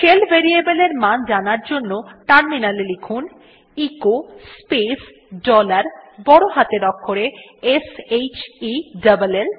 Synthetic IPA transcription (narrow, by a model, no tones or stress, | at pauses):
kʰelbʱeɾiebeleɾmand͡ʑanaɾd͡ʑonːoʈaɾminalelekʰun | ikospes | ɖɔlaɾbɔɽoɦat̪eɾɔkʰːoɾeesejt͡ɕiɖabalel